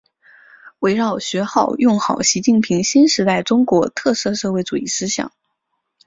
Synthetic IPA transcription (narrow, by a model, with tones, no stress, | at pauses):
we˧˥ɪɻɑ˥˩ʊɕɥɛ˧˥xɑ˥˩ʊjʊ˥˩ŋxɑ˨˩ʊɕi˧˥t͡ɕi˥˩npʰi˧˥ŋɕi˥nʂɻ̩˧˥t̪a˥˩ɪʈ͡ʂʊ˥ŋkwɔ˧˥t̪ʰɤ˥˧sɤ˥˧ʂɤ˥˧xwe˥˧ɪʈ͡ʂu˨˩i˥˩ʂɹ̩˥ɕjɑ̰˨˩˦ŋ